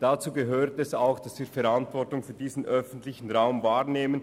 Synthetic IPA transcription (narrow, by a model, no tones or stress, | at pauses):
d̥at͡suːɡəɦøːʁtɛsaʊxd̥asviːɐfɛɾantv̥ɔɐtʊŋfyːɐdiːzn̩ʔœfn̩tlɪçn̩ʁaʊmvaːʁneːmən